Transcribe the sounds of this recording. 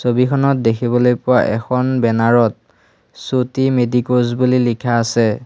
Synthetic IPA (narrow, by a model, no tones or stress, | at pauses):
sobikʰɔnɔt̚dekʰibɔlojpʊwa̰ʔɛ̰kʰɔnbɛnaɹɔt̚ | sotimedikozbulilikʰaːsɛ